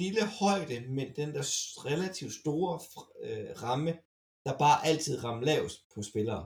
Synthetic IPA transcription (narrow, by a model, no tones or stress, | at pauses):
liləhɒ̽ɪ̰d̥əmend̥end̥æɐʁɛlæt͡sʰiʊ̥sd̥o̝ːɐ | ʁɑ̈mə | d̥ɑ̈b̥ɑ̈ːʔæl̰t͡sʰið̞̰ˠʁɑ̈mlɛʊ̰spʰɒ̽sb̥e̝lɐː